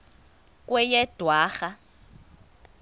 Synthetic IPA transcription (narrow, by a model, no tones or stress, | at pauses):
kʼwɛjɛd̥ʱwaːxa